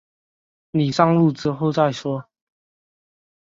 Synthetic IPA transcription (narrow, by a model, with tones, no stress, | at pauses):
ni˨˩ʂɑ˥ŋlu˥˨ʈ͡ʂɻ̩˥xo˥˨˧ʊt͡sa˥˨ɪʂwɔ˥